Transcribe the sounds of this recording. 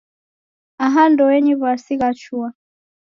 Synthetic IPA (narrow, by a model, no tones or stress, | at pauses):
aɦandɔwɛɲiβasiɣat͡ʃua